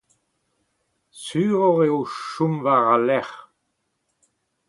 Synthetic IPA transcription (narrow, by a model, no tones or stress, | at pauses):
syːʁɔʁeoʃumvaʁalɛʁ